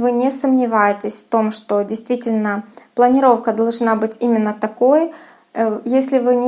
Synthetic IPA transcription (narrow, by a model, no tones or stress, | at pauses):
vɨnʲɪsəmnʲɪvajɪtʲɪsʲft̪o̞mʂt̪o̞dʲɪjst̪vʲitʲɪlʲnəplˠənʲɪɾo̞fkəd̪ɐlˠʐnabɨtʲimʲɪnːət̪ɐko̞j | jesʲlʲɪvɨnʲɪ